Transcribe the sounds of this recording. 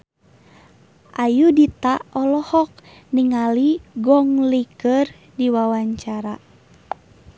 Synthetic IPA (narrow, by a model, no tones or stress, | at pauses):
ʔajudit̪aɔlɔhɔk̚ | niŋaliɡɔŋlikər | diwawaɲt͡ʃaɾa